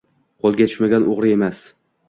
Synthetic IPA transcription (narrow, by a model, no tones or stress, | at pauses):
qʰolˠɡʲatʰɪ̥ʃmaɡʲanoʁɾɪe̞mas